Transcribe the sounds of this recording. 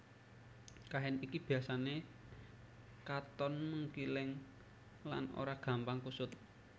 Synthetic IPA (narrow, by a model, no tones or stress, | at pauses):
kaɦɛnikib̥i̤asane | kat̪ɔnməŋkilɪŋ | la̰no̰ɾaɡ̥ä̤mpaŋkusʊt̪̚